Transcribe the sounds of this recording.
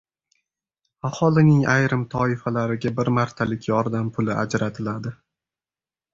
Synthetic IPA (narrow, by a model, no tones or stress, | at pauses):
ahɒlˠɪnɪŋajɾɪmt̪ʰɒɪfalaɾɪɡʲabɪɾmaɾt̪ʰalɪkʲjɒɾd̪ampʰʊlɪʔa̰d͡ʒɾat̪ʰɪlad̪ɪ